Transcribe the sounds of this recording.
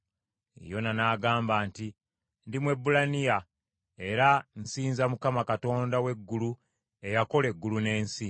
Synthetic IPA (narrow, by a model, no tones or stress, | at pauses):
ḛjo̞nanaːɡaːmbaːnti | ndimwe̞bːulanija | e̞ɾan̩siːnzamukamakato̞ːndawe̞ɡːulu | e̞jako̞le̞ɡːulune̞ːnsi